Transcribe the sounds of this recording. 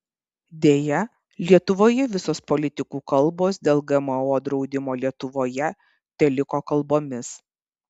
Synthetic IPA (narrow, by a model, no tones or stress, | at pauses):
d̪ʲeːjɛ | lʲiɛt̪ʊʋoːjɛʋʲɪsoːspɔlʲɪt̪ʲɪkuːkɐlˠˑboːsd̪ʲeːlˠɡɐmɐoːd̪ɾɒʊd̪ʲɪmoːlʲiɛt̪ʊʋoːjɛ | t̪ʲɛlʲɪkokɐlˠboːmʲɪs